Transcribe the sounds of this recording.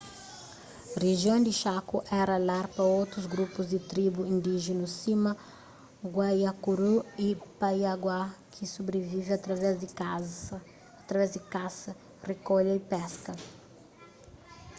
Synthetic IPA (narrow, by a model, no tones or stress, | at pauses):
reʒjõd̪ɪʃakuʔɛɾɐlaɾpɾɐowt̪ɾuzɡɾupuzd̪ɪt̪ɾibuĩnd̪iʒɪnusimɐ | ɡwajakuɾuipajaɡwakʰisubɾevivɪat̪vɛa | at̪ɾɐvɛzd̪ɪkasɐ | rekoʎɐipɛskɐ